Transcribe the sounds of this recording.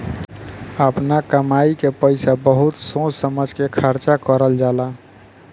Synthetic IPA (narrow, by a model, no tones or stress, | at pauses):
əpnakəmaikepəɪsabəɦut̪sõsəməd͡ʒʱkekʰəɾt͡ʃakəɾəld͡ʒala